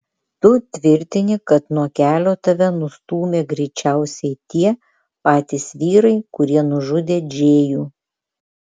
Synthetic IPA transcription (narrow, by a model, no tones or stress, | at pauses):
t̪ʊt̪ʲʋʲɪɾʲt̪ʲɪnʲɪkɐt̪nuɔkʲæːlʲoːt̪ɐʋʲɛnʊst̪uːmʲeːɡɾʲɛɪt͡ʃʲæˑʊsʲɛɪt̪ʲiɛ | pɑːt̪ʲisʋʲiːɾɐɪkʊɾʲiɛnʊʒʊd̪ʲeːd͡ʒʲeːjuː